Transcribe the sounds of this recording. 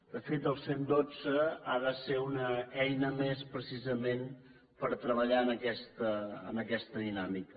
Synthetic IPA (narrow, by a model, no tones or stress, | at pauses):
d̪̥əfet̪əlˠsend̪od͡zəaðəseunəɛjnəmespɾəsizəmen | pəɾt̪ɾəβəʎaənəkɛst̪əə̰nəkɛst̪əðinamikə